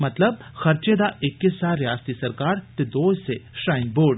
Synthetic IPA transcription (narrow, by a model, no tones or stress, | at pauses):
mɐt̪ləb̚xɐɾt͡ʃed̪aʔekːesaːɾjaːst̪isɐɾkaːɾt̪ed̪oːseʃɾaːjnboːɖ